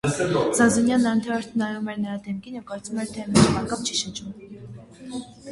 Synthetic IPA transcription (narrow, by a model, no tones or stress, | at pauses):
zɑzunjɑnːɑɾnt̪ʰɛɾɛɾt̪ʰənɑɾɾumɛɾnəɾɑd̪ɛmkinjɛvkɑɾt͡svumɛɾt̪ʰɛmɛt͡ʃmɑnkɑmt͡ʃʰiʃət͡ʃum